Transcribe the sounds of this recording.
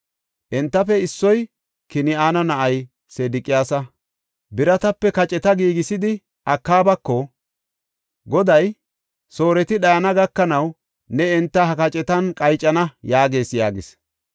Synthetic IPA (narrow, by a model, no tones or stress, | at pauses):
ʔɛnt̪ːɐfɛɪsːɔj | kɪnɪaːnɐnɐʔɐj | seːd̪ɪkʼɪjaːsɐ | bɪɾɐt̪ɐpːɛkɐt͡ʃʼɛt̪ɐɡiːɡɪsɪd̪ɪ | ʔɐkːaːbɐkːɔ | ɡɔd̪ɐj | so̞ːɾɛt̪ɪɗɐjɐnɐɡɐkːɐnɐw | nɛɛnt̪ːɐhɐkɐt͡ʃʼɛt̪ɐnkʼɐjt͡ʃʼːɐnɐjaːɡe̞ːsja̰ːɡɪs